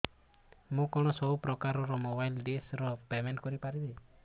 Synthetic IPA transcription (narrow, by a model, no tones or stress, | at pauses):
mũkɔɽ̃ɔsɔbupɾɔkaɾɔɾɔmobajlɖesɾɔpemenʈkɔɾipaɾibe